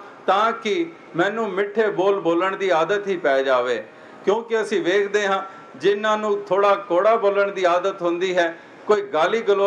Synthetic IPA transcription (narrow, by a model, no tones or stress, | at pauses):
t̪ãːkɪ | mɛ̃ːnũːmɪʈʰːeːboːlboːləɳd̪iːaːd̪ət̪ɦiːpɛːd͡ʒaːʋeː | kjõːkɪəsĩːʋeːkʰd̪eːɦãː | d͡ʒɪnːãːnũːt̪ʰoːɽaːkoːɽaːboːləɳd̪iːaːd̪ət̪ɦʊ̃nd̪iːɦɛː | koːiːɡaːliːɡəloː